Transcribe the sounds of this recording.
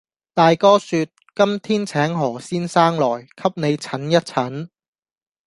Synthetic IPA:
t̪aː˨jkɔː˥syː˧t̚kɐ˥mt̪ʰiː˥nt͡sʰɛː˨˥ŋɦɔː˨˩siː˥nsaː˥ŋlɔː˨˩jkʰɐ˥p̚ne˨˧jt͡sʰɐ˨˥njɐ˥t̚t͡sʰɐ˨˥n

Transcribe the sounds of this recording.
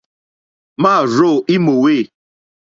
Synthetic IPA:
maː˦˨ɾo˦˨i˦mo˨we˦˨

